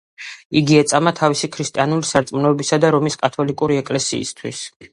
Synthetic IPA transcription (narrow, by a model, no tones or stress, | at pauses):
iɡiɛt̪sʼamat̪ʰavisikʰɾist̪ʼianulisaɾt̪sʼmnɔɛbisad̪aɾɔmiskʼat̪ʰɔlikʼuɾiɛkʼlɛsḭːst̪ʰwis